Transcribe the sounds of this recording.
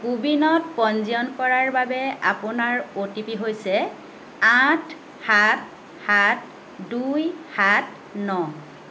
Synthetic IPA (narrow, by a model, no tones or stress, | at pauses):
kubinɔt̚pɔnziɔnkɔɹaɹbabɛapʊnaɹotipiɦojsɛ | atʰ | hat | hat | dujhat | nɔ